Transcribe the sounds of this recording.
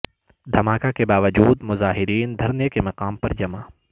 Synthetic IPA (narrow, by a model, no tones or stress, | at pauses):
d̪ʱɐmaːkakebaːʋəd͡ʒuːd̪mʊzaːɦɪɾiːnd̪ʱɐɾnjəkemɐqaːmpɐɾd͡ʒɐmaː